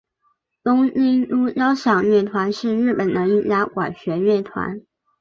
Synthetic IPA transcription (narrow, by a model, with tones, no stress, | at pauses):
t̪ʊ˥ŋi˥ŋlu˥jɑ˥ʊɕjɑ˨˩ŋɥɛ˥˩t̪ʰwa˧˥nʂɻ̩˥˧ɻɻ̩˥˩pə˨˩nnə˧˥˦i˥˩lja˥kwa˨˩ɕɥɛ˧˥ɥɛ˥˩t̪ʰwa̰˧˥n